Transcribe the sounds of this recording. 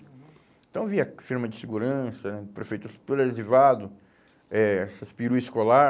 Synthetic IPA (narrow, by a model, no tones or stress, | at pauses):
ẽt̪ɐ̃w̃viɐfiɾmɐd͡ʒɪsɪɡuɾɐ̃sɐpɾefejt̪ust̪uɾɐezivad̪ʊ | ɛɛsɐspiɾuiskola